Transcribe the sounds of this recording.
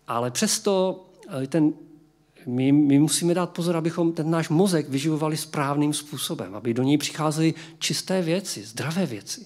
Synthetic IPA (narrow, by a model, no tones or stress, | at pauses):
ʔa̰lɛpr̝̥ɛst̪o̞ | t̪ɛn | mɪmɪmusiːmɛdaːt̪̚pozoɾabɪxo̞mt̪ɛnnaːʃmo̞zɛɡvɪʒɪvovalɪspɾaːvniːmspuːsobɛ̰mʔa̰bɪdo̞ɲɛjpr̥ɪ̥xaːzɛlɪ | t͡ʃɪst̪ɛːvjɛt͡sɪzd̪ɾavɛːvjɛt͡sɪ̥